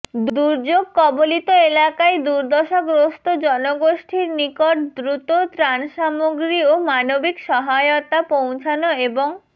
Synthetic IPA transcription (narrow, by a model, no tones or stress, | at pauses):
d̪d̪uɾd͡ʑoɡ̚kɔbolit̪oelakaed̪uɾd̪ʱɔʃakɾost̪od͡ʑɔnoɡoʃʈʰiɾnikoʈ̚d̪ɾut̪ot̪ɾanʃamoɡɾiomanobikʃɔɦajot̪apow̃t͡ɕʰanoeboŋ